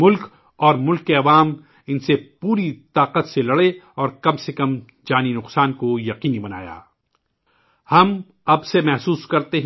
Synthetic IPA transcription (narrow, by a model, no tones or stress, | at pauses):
mʊlk | ɔːɾmʊlkːeɐʋaːm | ɪnsepuːɾit̪aːqət̪selɐɽeɔːɾkɐbsekɐm | d͡ʒaːninʊqsaːnkojɐqiːnibɐna̰ːja̰ː | hɐm | ɐbsemɛɦsuːskɐɾt̪eɦ